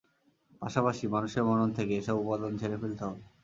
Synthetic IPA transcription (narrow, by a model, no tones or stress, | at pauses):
paʃapaʃimanuʃeɾmɔnont̪ʰekeeʃɔbupad̪ont͡ɕʰeɾefelt̪oɦɔbe